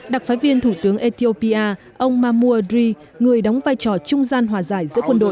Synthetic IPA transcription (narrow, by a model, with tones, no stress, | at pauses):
ɗa˨˩k̚faː˨˦jvi˧ənt̪ʰu˧˩t̪ɨ˨˦əŋʔe˧t̪i˧o˧pi˧ʔaː˧ | ʔə˧wŋ͡mmaː˧mu˧ədɾi˧ | ŋɨ˨˩əjɗa˨˦wŋ͡mvaː˧˩jt͡ɕɔ˨˩t͡ɕʊ˧ŋ͡mzaː˧nɦwaː˨˩zaː˧˩jzɨ̰˧˥əkwə˧nɗo̰˧˨